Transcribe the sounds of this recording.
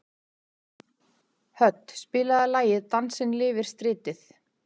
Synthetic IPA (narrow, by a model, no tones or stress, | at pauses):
hœt̪ːspɪːlaðalaːjɪðt̪ansɪnlɪːvɪɾ̥st̪ɾɪːt̪ɪθ